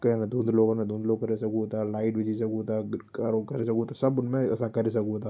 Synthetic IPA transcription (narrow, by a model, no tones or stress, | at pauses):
kenad̪ʱũnd̪loːɡonãd̪ʱũnd̪loːɡkɐɾesɐkuɦot̪alaːɪʈbɪd͡ʒisɐkuot̪akaɾokɐɾesɐkuot̪asɐbʊnmẽɛ̰sãkɐɾes̬ɐkuɦot̪aː